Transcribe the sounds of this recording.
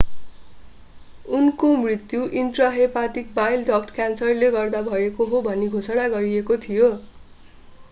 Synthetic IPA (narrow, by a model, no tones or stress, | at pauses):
unkomrit̪ːjuʔinʈrʌɦepat̪ik̚bajlɖʌkʈkjansʌrleɡʌrd̪abʱʌekoɦobʱʌniɡʱosʌɽ̃aɡʌɾiekot̪ʰijo